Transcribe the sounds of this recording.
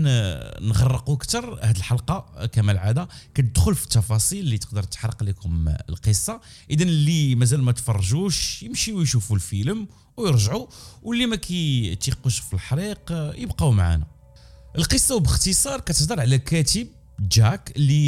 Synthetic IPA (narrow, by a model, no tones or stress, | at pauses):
nnɣɑrˤːəquəkt̪ɑɾˤhæd̪əlħɑlqɑkæmælʕad̪ækæt̪əd̪xʊlfi̥t̪ːɑfɑsˤilːit̪ə̥qd̪əɾˤt̪ːħɾˤːəqlikʊmə̰lqəsˤːɑʔəd̪ænəlːimæzælmæt̪fɑrˤːʒuʃjəmʃiwjʃufulfiləm | wjəɾʒʕuwʔəlːimækʰæt̪iquʃfilħɾiqjəbqɑwmaʕa̰næ̰ | ʔəlqəsˤːɑwbəxt̪isˤɑɾˤkæt̪əħd̪əɾˤʕlækæt̪əb̚ | ʒækəlːi